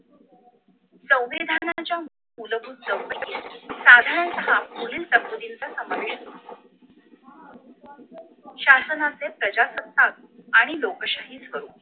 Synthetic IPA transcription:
sə̃w̃ʋid̪ʱanat͡ɕjamu | uləbʱuːt̪̚d͡zəwpəkisad̪ʱaɾnsəɦapuliːlt̪əkːud̪int͡sasəməɾʂ | ɕasənat͡sepɾəd͡ʑasəp̚t̪ːak̚aɽ̃ilokəɕaɦiːt͡sɦəɾuːn

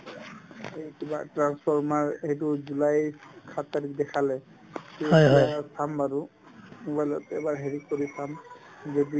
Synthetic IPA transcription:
ekiba̰tɹanspʰɔɹmaɹejtʊzulajkʰat̪aɹik̚dɛkʰalɛ | kiɦjɦɔjbaɹsambaɾʊ | ubajlɔtɛbaɹɦeɹit̚koɹisam | zɔdi

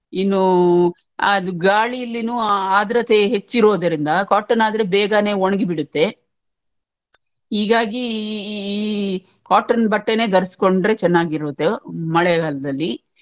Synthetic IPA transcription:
inːu | ɐd̪uɡaːɭiɐlːinuːaːd̪ɾɐt̪e̞ɦe̞t͡ʃːiɾo̞ːd̪ɐɾind̪ɐkaːʈːɐnaːd̪ɐɾe̞bɛːɡane̞ːoɳɐɡibiɽut̪ːe̞ | ɦiːɡaːɡiː | kaːʈːɐnbɐʈːe̞ne̞ːd̪ɐɾɐsi̥ko̞ɳɖɾe̞t͡ʃɛnːaːɡiɾoːt̪ːemɐɭɛɡaːlɐd̪ɐlːi

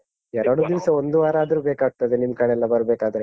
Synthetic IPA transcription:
ɛɾɐɽud̪iʋsɐond̪uʋaːɾaːd̪ɐɾuːbeːkaːɡ̚t̪ɐd̪enimɐkaːɭɛlːɐbɐɾbeːkaːd̪ɐɾe

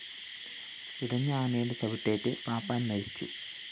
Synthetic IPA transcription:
iɽɐɲːɐaːnɐjuɽet͡ɕɐbiʈːeːʈːɨpaːpːaːnmɐjit͡ɕːṵ

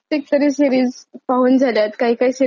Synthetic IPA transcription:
ek̚t̪əɾisiɾiːd͡zpaɦuːnd͡zʱaljat̪kaɦiːkaɦiːsi

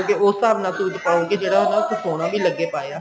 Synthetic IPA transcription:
keoːsaːbnãːsuːɪt̪paːoːkid͡ʒeːɽaːɦonãːok̪ʰɪsoːɽ̃ãːbiːləɡeːpaːjaː

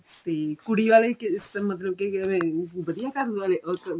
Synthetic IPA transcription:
t̪ekuɽiʋalekisəmət̪ləb̚keʋẽbəd̪ijakaɾdʋaleʔək

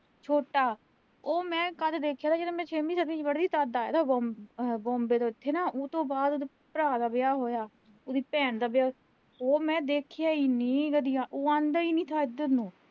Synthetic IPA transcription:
t͡ʃʰoːʈaː | oːmɛ̃ːkəd̪d̪eːkʰjaːt̪aːd͡ʒeːɾeːmɛ̃ːt͡ʃʰeːmĩːsəd̪mĩːt͡ʃʋəɽd̪iːt̪aːd̪aːj̰ːt̪aɔːbɔ̃ːmbeːt̪oːɪt̪ʰːeːnaːoːt̪õːbaːd̪od̪iːpəɾaːd̪aːbɪjaːɦoːjaː | od̪iːpɛːɳd̪aːbɪjaː | oːmɛ̃ːd̪eːkʰjaːiːnĩːɡəd̪ijãːʔoːãːnd̪aiːnĩːt̪ʰaːɪd̪əɾnũː

